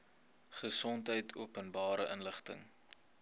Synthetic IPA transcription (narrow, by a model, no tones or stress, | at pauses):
χəsɔntɦəjtʰṵəpənbɑːɾəʔənləχtə̰ŋ